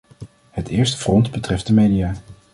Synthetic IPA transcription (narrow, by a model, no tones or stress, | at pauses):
hətɪːɹstə̥frɔndbətrɛft̚dəmejdiaː